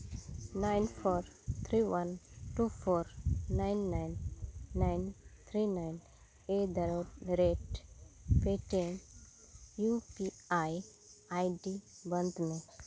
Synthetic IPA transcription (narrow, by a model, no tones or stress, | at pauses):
naɪnpʰoːɾt̪ʰɾiʋɐnʈufʰoɾnaɪnːajnːaɪnt̪ʰɾinajn | ed̪əɾəɾeʈ | peʈen | jupi | aj | ajɖibənd̪ne